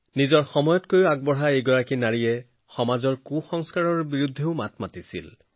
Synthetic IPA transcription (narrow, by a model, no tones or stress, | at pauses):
nizɔɹxɔmɔjɔtkojʊaɡ̚bɔɦaejɡɔɹakinaɹijɛ | xɔmazɔɹkuxɔŋskaɹɔɹbiɹud̪ʱːeʊmat̚ʰmatisḭl